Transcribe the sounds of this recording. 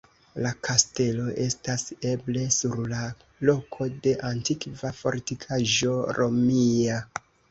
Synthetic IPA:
lakʰaste̞lo̞ʔe̞stase̞ble̞suɾla | lo̞kʰo̞de̞ʔantikvafo̞̰ɾtikʰaʒo̞ɾo̞mia

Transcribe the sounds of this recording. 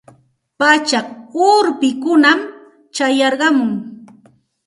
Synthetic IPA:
pat͡ʃakʊɾpɪkʊnam | t͡ʃajɑɾɢɑmʊŋ

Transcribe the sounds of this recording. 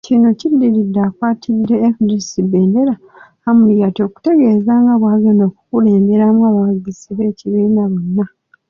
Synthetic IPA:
cino̞cidːiɾidːakwaːtʰidːe̞ːfidisibe̞ːndeɾa | hamulijato̞ku̥te̞ɡe̞ːzaːŋɡaβwaɡono̞ːkukule̞ːmbe̞ɾamuaβaɡisiβe̞ːciβiːnaβo̞nːa

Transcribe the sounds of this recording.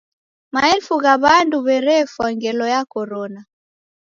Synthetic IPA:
maɛlfuɣaβanduβɛɾɛfwaŋɡɛlɔjakɔɾɔna

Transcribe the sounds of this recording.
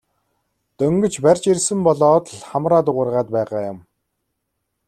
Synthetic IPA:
t̪ɵŋɡɵ̆t͡ɕpærʲt͡ɕirsɘ̆mpɔɮɔːt̪ɮχamraːt̪̬ʊʁʊ̆rʁaːt̪̚pæːʁaːjʊm

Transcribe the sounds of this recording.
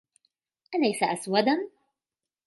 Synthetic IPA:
ʔalajsaʔaswad̪an

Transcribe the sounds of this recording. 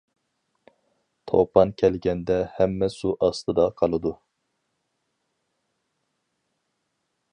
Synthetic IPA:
t̪ʰo̰pʰɑnkʲʰɛlɡʲɛnd̪ɛhɛmːɛsuʔɑst̪ʰɨd̪ɑqʰɑlˠɨd̪u

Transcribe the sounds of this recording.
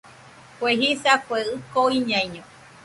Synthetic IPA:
kʷeɦisakʷeɨkoiɲãĩɲõ

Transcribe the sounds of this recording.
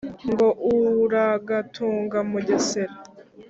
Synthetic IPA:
ŋɡo̞ʔuɾaɡatʰuːŋɡamuɟeseɾa

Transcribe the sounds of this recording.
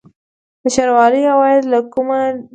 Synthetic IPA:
d̪əʃaɾwɑləjhawɑjad̪lakuma

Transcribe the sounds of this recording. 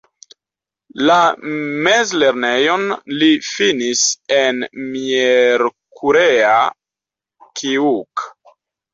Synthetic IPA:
lamezle̞ɾnejonlifinisenmieɾkʰuɾea | kʰiuk

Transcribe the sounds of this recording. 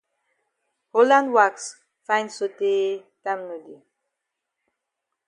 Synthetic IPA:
holãndwaks | fãj̃nsotetamnudi

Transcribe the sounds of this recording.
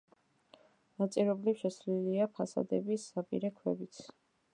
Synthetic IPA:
nat̪sʼiɾɛblifʃɛsliliapʰasa̰d̪ɛbisːapʼḭɾɛkʰwɛ̰bit̪sʰ

